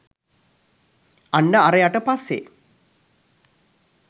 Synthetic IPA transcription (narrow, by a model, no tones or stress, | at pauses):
anːəaɾəjaʈəpasːḛ